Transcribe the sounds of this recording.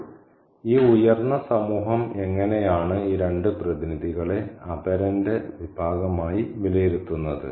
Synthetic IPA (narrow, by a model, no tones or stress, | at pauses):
iːujɐrnɐsɐmuːɦɐme̞ŋːɐne̞jaːɳɨiːɾe̞ɳɖɨprɐðiniðʱiɣɐɭe̞ɐbɐɾɐnde̞ʋibʱaːɡɐmaːjiʋilɐjeɾut̪ːunːɐðɨ̰